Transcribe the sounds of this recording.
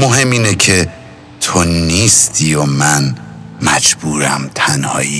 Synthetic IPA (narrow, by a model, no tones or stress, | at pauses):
moɦe̞mːiːnecʰe̞ | t̪ʰo̞niːst̪ʰiːjomænmæd͡ʒb̥uːɾæmt̪ʰænhɒ̰ːjiː